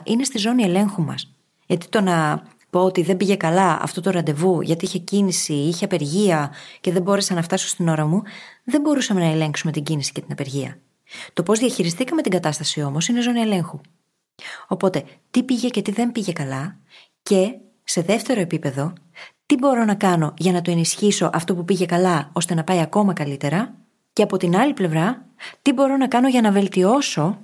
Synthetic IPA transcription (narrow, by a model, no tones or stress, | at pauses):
ʔine̞st̪izo̞niele̞ŋxumɐ̰s | ʝɐt̪i̥t̪o̞nɐ | po̞ot̪iðe̞mbiʝe̞kɐlɐɐ̰ft̪o̞t̪o̞ɾɐnd̪e̞vuʝɐt̪iiçe̞cinisiiçeɐpe̞ɾʝiɐce̞ðembo̞ɾe̞sɐnɐft̪ɐso̥st̪ino̞ɾɐmuðe̞mbo̞ɾusɐme̞nɐele̞ŋksume̞t̪iɟinisi̥ce̞t̪inɐpe̞ɾʝiɐ̰ | t̪o̞po̞zðiɐçiɾist̪ikɐme̞t̪iŋɡɐt̪ɐst̪ɐsio̞mo̞sine̞zo̞nie̞le̞ŋxu | o̞po̞t̪e̞t̪ipiʝe̞ce̞t̪iðe̞mbiʝe̞kɐlɐ | ce̞ | se̞ðe̞ft̪e̞ɾo̞e̞pipe̞ðo̞t̪ibo̞ɾo̞nɐkɐno̞ʝɐnɐt̪oe̞nisçiso̞ʔɐft̪o̞pupiʝe̞kɐlɐo̞st̪e̞nɐpɐiɐko̞mɐkɐlit̪e̞ɾɐ | ce̞ɐpo̞t̪inɐliple̞vɾɐt̪ibo̞ɾo̞nɐkɐno̞ʝɐnɐve̞lt̪io̞so̞